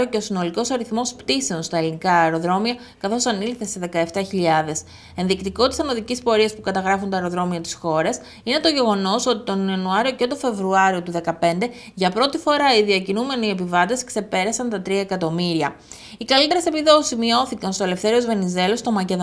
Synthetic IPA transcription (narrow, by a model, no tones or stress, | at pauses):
oce̞o̞sino̞liko̞sɐɾiθmo̞spt̪ise̞onst̪ɐelinikɐːeɾo̞ðɾo̞miɐ | kɐθo̞sɐnilθe̞se̞ðe̞kɐe̞ft̪ɐçiʎɐðe̞s | e̞nðikt̪iko̞t̪isɐnoðicispo̞ɾiɐspukɐt̪ɐɣɾɐfunt̪ɐeɾo̞ðɾo̞miɐt̪i̥sxo̞ɾɐs | ine̞t̪o̞ʝe̞ɣo̞no̞so̞t̪it̪o̞niɐnuɐɾio̞ce̞t̪o̞fe̞vɾuɐɾio̞t̪uðe̞kɐpe̞nd̪e̞ | ʝɐpɾo̞t̪ifo̞ɾɐiðiɐcinume̞nie̞pivɐt̪e̞skse̞pe̞ɾɐsɐnt̪ɐt̪ɾiɐekɐt̪o̞miɾiɐ | ikɐlit̪eɾese̞piðo̞sisizmio̞θikɐnst̪oe̞lefθe̞ɾio̞zve̞nize̞lo̞st̪o̞mɐce̞ð